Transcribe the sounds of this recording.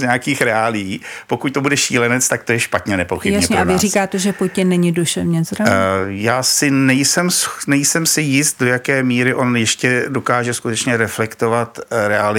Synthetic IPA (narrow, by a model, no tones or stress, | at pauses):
zɲaakiːxɾɛaːlɪjiːpo̞kuc̚t̪o̞budɛʃḭːlɛnɛt͡st̪akt̪o̞jɛʃpat̪ɲɛnɛpoxɪbjsɲɛɲɛaɪɾiːkaːt̪ɛʒɛpocːɪnːɛɲɪduʃɛvɲɛzɾajaːsɪnɛjsɛmsnɛjsɛmsɪjɪst̪̚do̞jakɛːmiːɾɪʔo̞njɛʃcɛdo̞kaːʒɛskut̪ɛt͡ʃɲɛɾɛflɛkt̪ovat̪ɾɛalɪ